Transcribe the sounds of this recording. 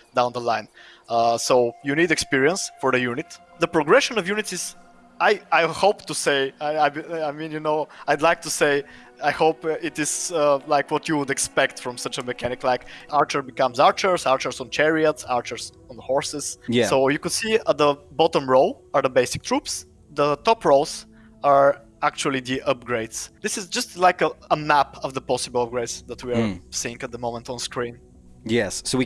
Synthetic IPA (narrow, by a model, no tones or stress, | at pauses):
d̪ãʊ̃nd̪əlãɪ̃n | soʊjunidɛkspiɹiə̃nsfɔɹðəjunɪt̪ | ðəpɹɔɡɹɛʃə̃nɔvjunɪt̪sɪz̥ | ajajhoʊpt̪useɪaaɪbaɪmĩnjunoʊajd̪ˡlaɪk̚t̪ʰuseɪ | ajhoʊpɪt̪ɪz̥lajkwɔt̪juwʊd̪ɛkspɛkt̪fɹɔ̃msʌt͡ʃəmɛkʰænɪklˠaɪkaɹt͡ʃəɹbɪkʌ̃mzaɹt͡ʃəɹsaɹt͡ʃəɹsɔ̃n̩t͡ʃɛɹiət̪saɹt͡ʃəɹz | ɔ̃nhɔɹsɪz̥jæsoʊjɨkʊd̥siət̪̚ðəbɔtə̃mɹoʊlˠ | ə˞ðəbeɪsɪ̥k̚t̪ʰɹups | ðət̪ɔpɹolˠz̥ | əɹ | æk̚t͡ʃuəlˠid̪iʔʌp̚ɡɹeɪdsd̪ɪsɪzd͡ʒʌstlaɪkəəmæpəvðəpɔsɪbəlˠəp̚ɡɹeɪdsðət̪ʰwiəɹsiɪ̃ŋæt̪̚d̪əmõʊmə̃ntɔ̃nskɹĩn | jɛsːoʊwi